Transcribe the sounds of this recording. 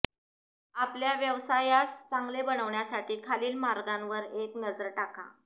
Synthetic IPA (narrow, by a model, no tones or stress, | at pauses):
apljaʋjəʋsajast͡saŋɡlebəñəʋɳjasaʈʰiːkʰaliːlmaɾɡãnʋəɾeknəd͡zəɾʈaka̰